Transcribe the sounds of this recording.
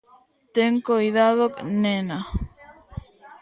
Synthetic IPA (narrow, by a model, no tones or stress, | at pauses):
t̪eŋkojðaðoknena